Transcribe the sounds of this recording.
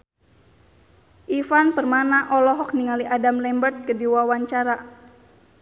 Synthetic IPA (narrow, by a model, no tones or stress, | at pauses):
ʔifanpərmanaʔɔlɔɦɔk̚niŋaliʔadamlɛmbərt̪̚kədiwawaɲt͡ʃaɾa